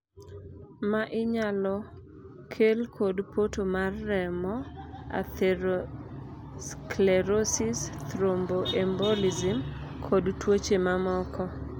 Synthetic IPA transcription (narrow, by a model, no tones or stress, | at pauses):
maʔɪɲalɔ | kʰelkʰodpotomarːɛmɔa̰t | klɛɾosɪst̪ɾomboʔɛmbolizɪmkʰodtwot͡ʃemamɔkʰɔ